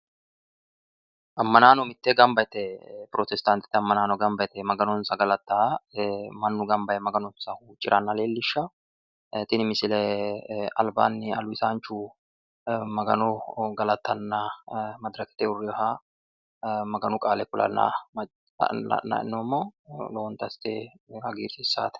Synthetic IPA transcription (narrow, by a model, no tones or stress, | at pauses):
ʔɐmːɐnaːnɔmɪt̪ːɛɡɐmbɐjt̪ɛpɾoːt̪ɛst̪ant̪ɪ̥t̪ːɪɐmːɐnaːnɔɡɐmbɐjt̪ɛmɐɡɐnɔnsɐɡɐlɐt̪ːaː | mɐnːʊɡɐmbɐjɛmɐɡɐnʊnsɐhuːt͡ʃʼːɪɾʔɐnːɐleːlːɪʃːɐ | t̪ɪnɪmɪsɪlɛ | ɐ̰lba̰ːnːɪɐlʊɪsaːnt͡ʃːu | mɐɡɐnʊɡɐlɐt̪ːɐnːɐmɐd̪ɾɐkɪ̥t̪ɛʊrːɪɔɦa | mɐɡɐnʊkʼaːlɛkʊlɐ̰nːa̰m̰ | ɐ̰nɐ̰ɪ̰nːoːmːoːloːnt̪ɐst̪e | hɐɡiːɾsɪsːa̰ːt̪ɛ̥